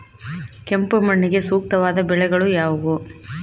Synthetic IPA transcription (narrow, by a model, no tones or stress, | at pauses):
kɛmpɯmɐɳːɪɡesuːk̚t̪ɐʋaːd̪ɐbɛɭɛɣɐɭujaːʋɐɣu